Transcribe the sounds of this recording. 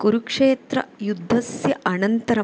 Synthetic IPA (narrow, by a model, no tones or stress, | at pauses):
kuɾukʂeːt̪ɾɐjud̪ʱːɐsjɐʔɐnɐnt̪ɐɾɐ